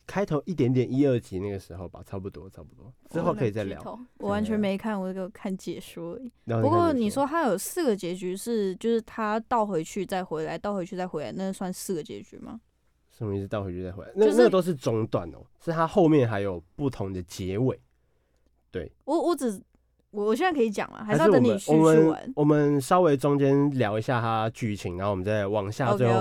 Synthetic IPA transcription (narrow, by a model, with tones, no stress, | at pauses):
kʰa˥ɪt̪ʰo˧˦ŋʔi˥˩t̪jɛ˦˥nt̪̬jɛ˨˩ni˦ə˥˩t͡ɕi˧˦na˥˩ɡə˩ʂɻ̩˧˦xo˥˩ʊpa̰˨˩t͡sʰɑ˥˧pu˥˩t̪wɔ̰˥˦t͡sʰɑ˥˧ʊpu˥˩t̪wɔ˦ʈ͡ʂɻ̩˥xo˥˩ʊkʰɤ˧˥i˨˩t͡sa˥˨˩ɪljɑ̰˨˦˨wɔ˨˩wa˧˦nt͡ɕʰɥɛ˧˥nme˧˥ɪ˧kʰa˥˩nwɔ˨˩ə˥˩ɡə˧˩kʰa˥˩nt͡ɕjɛ˨˩ʂɔ˥i˦˧˥pu˧kwɔ˥˩ni˨˩ʂwɔ˥t̪ʰa˥jo˨˩ʊsɹ̩˥˩ɡə˩t͡ɕjɛ˧˥t͡ɕy˧˥ʂɻ̩˥˩t͡ɕjo˥˧ʊʂɻ̩˥˩t̪ʰa˥t̪ɑ˥˩ʊxwe˧˥ɪt͡ɕʰy˥˧t͡sa˥˩ɪxwe˧˥ɪla˧˥ɪt̪ɑ˥˩ʊxwe˧˥t͡ɕʰy˥˧t͡sa˥˩xwe˧˥ɪla˧˦ɪna˥˧˥swa˥˧n˧sɹ̩˥˩ɡə˩t͡ɕɛ̰˧˥t͡ɕy̰˧˥ma̰˨˩ | ʂ̩˥˧˩i˧˩˥t̪ɑ˥˩xwe˦t͡ɕʰy˥˧t͡sa˥˩xwḛ˧˦˥l̰nə˥˨˦nə˥ɡə˧t̪o˥ʊʂ̬ɻ̩˥˩ʈ͡ʂʊ˧˥ŋt̪wa̰˨˩˦nɔ̰˨˦ʂɻ̩˥˩t̪ʰa˦xo˥˧ʊmjɛ˥˨nxa˧˦ɪjo˨˩ʊpu˥˩t̪ʰʊ˧˦ŋd̪ə˨t͡ɕjɛ˧˥we˨˩˦ɪ | t̪we˥˩ɪwɔ˧˥wɔ˧˥ʈ͡ʂɻ̩˨˩ | wɔ˨˩wɔ˨˩ɕjɛ˥˨na˥˩kʰə˧˥i˧˩t͡ɕjɑ̰˨˩ŋlɐ̰˦xa˧˥ʂɻ̩˥ɔ˨˥ni˨˩wɔ˨˥˩mə˦n̰˧˦nwɔ˨˩mə˨nʂɑ˥ʊwe˧˥ɪʈ͡ʂʊ˥˦ŋt͡ɕjɛ˦nljɑ˧˥ʊi˧˥ɕja˥˨t̪ʰa˦t͡ɕy˧t͡ɕʰi˨˦ŋa˨˧˦o˦˨wm˦nt͡sa˥˩ɪwɑ˨˩ŋɕja˥˧t͡swe˥˧xo˥˧˨